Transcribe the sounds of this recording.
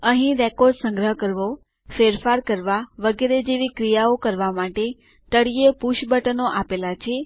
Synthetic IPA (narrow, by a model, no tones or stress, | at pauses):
əɦĩɾɛkɔɾɖsə̃ŋɡɾəɦkəɾʋo | feɾfaɾkəɾʋaʋəɡeɾed͡ʒeʋikɾijaokəɾʋamaʈe | t̪əɽijepuʃbəʈənoʔapelat͡ʃʰe